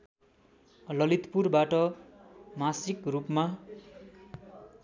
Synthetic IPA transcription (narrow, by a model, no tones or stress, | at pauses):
lʌlit̪purbaʈʌ | masikrupma